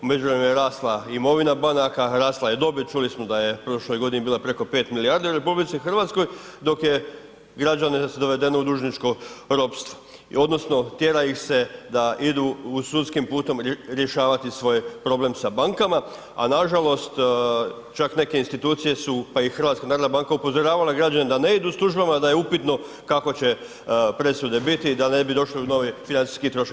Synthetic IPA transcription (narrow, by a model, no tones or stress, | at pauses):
ume̞d͡ʒuʋɾemjeɾaːslˠaimo̞ʋinabanakaɾaːslˠajed̪o̞bit͡ʃulismod̪aje̞pɾo̞ʃlo̞jɡo̞d̪inibiːlapɾe̞ko̞pe̞ːt̪milijaːɾd̪iuɾepublit̪sixr̩ʋat̪sko̞jd̪o̞kje̞ | ɡɾad͡ʑanesd̪o̞ʋe̞d̪e̞noud̪uːʒnit͡ʃko̞ɾo̞pst̪ʋo | o̞d̪no̞sno̞t̪je̞ɾaixse̞d̪aid̪uusut̪skimpuːt̪o̞mɾje̞ʃaːʋat̪isʋo̞jpɾo̞ble̞msabaŋkama | a̰naʒalo̞st̪ | t͡ʃakne̞ke̞inst̪it̪uːt̪sije̞supaixər̩ʋat̪skanaːɾod̪abaŋkaupo̞zoɾaːʋalaɡɾad͡ʑaned̪ane̞id̪uslˠuʒbamad̪aje̞upit̪no̞ | kako̞t͡ɕe̞ | pɾe̞sud̪e̞bit̪id̪ane̞bid̪o̞ʃliuno̞ʋifinant̪si̥skit̪ɾo̞ʃ